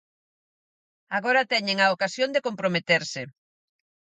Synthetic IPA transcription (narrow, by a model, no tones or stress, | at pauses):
aɣoɾat̪ɛɲeŋaokasjond̪ekompɾomet̪eɾsɪ